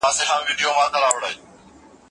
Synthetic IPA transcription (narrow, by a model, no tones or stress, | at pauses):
aːseːxãːnʋiːɖɪjoːmaːkəɾaːʋəɽaeː